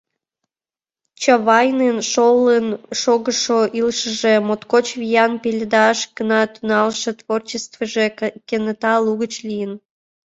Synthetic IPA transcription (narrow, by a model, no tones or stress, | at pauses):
t͡ɕɑβɑjnenʃolənʃoɣəʃoʔilʃəʒemot̪kot͡ɕβijɑnpelʲed̪ɑʃɡənɑt̪unɑlʃet̪vort͡ɕest̪vəʒekenət̪ɑluɣət͡ɕlijən